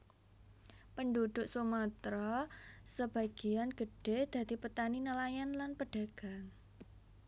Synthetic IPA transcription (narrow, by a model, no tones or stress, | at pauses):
pəndud̪̥ʊʔsumət̪ɾɔsəb̥aɡ̥ianɡ̥ə̤ɖ̥ed̪̥ä̤d̪ipət̪aninəlajanlanpəɖ̥a̤ɡ̥a̤ŋ